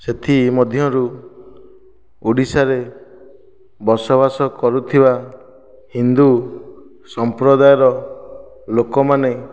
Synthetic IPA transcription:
set̪ʰimɔd̪ʱjɔɾu | uɽisaɾe | bɔsɔβasɔkɔɾut̪ʰiba | hind̪u | sɔmpɾɔd̪ajɔɾɔ | lokɔmane

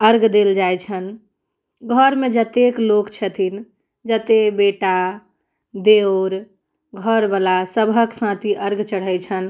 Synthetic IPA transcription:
əɾɡd̪eld͡ʒajt͡ʃʰən | ɡʱəɾmed͡ʒət̪eklokt͡ʃʰət̪ʰin | d͡ʒət̪ebeʈa | d̪eoɾ | ɡʱəɾbalasəbʱəksãt̪iʔəɾɡt͡ʃəɽ̤əjt͡ʃʰən

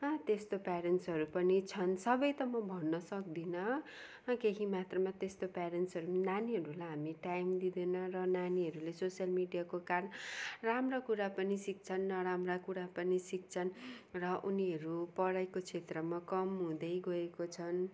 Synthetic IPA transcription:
ʌt̪est̪opaɾensɦʌɾupʌnit͡sʰʌnsʌbʌjt̪ʌmʌbʱʌnːʌsʌk̚d̪inʌ | keɦimat̪rʌmat̪est̪opaɾensɦʌɾunaniɦʌɾulajɦamiʈajmd̪id̪enʌrʌnaniɦʌɾulesosjʌlmiɖijakokaɾʌnramrakuɾapʌnisik̚t͡sʰʌnːʌɾamrakuɽapʌnisik̚t͡sʰʌnrʌʔuniɦʌɾupʌɽajkot͡sʰet̪rʌmakʌmɦũd̪ʌjɡʌekot͡sʰʌn

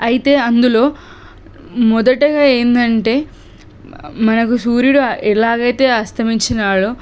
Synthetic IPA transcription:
ɐjit̪e̞ːɐnd̪ulo̞ː | mɔd̪ɐʈɐɡaːeːnd̪ɐɳʈe̞ː | mɐnɐkusuːɾjuɽuɛlaːɡɐjt̪e̞ːɐst̪ʰɐmiɲt͡ʃinaːɭu

